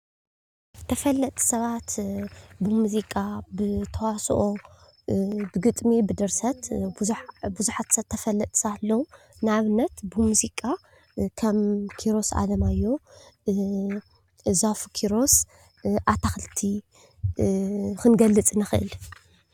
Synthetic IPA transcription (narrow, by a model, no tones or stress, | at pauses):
t̪ʰɐfɐlːɐt̪ʼʰi̥sɐβat̪bɨmuzikʼabɨt̪ʰɐwasʔo | bɨɡɨt̪ʼmibɨd̪ɨɾsɐt̪ | buzuħat̪sɐt̪ʰːɐfɐlːɐt̪ʼsɐβat̪lːɐw | nɨaβɨnːɐt̪bɨmuzikʼa | kʰɐmkʰiɾo̞sa̰d̪ɐmajːo̞ | zafkʰiɾo̞s | ʔat̪ʰaxɨlt̪ʰi | xɨnɡɐlːɨt͡sʼɨnɨxɨʔɨ̰l